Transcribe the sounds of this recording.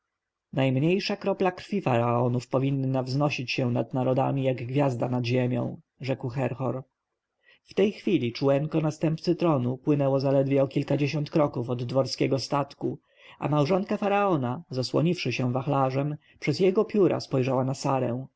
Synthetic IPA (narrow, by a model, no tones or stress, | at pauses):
najmɲejʂakɾɔplakɾfʲifaɾaɔnufpɔvʲinːavznɔɕit͡ɕɕɛ̃nad̪naɾɔd̪a̰mʲijaɡɡvʲjazd̪anad̪ʑemʲjɔ̰̃w̃ | ʐɛkwxɛɾxɔɾ | ft̪ɛjxfʲilʲit͡ʂuwɛŋkɔnast̪ɛmpt̪sɘt̪ɾɔnupwɘnɛwɔzalɛd̪vʲjɛɔkʲilkad͡ʑeɕɔnt̪kɾɔkufɔd̪ːvɔɾskʲɛɡɔst̪at̪ku | ʔa̰mawʐɔnkafaɾaɔnazaswɔ̰ɲifʂɘɕɛw̃vaxlaʐɛm | pʂɛzjɛɡɔpʲjuɾʔa̰spɔjʐawanasaɾɛ̰̃w̃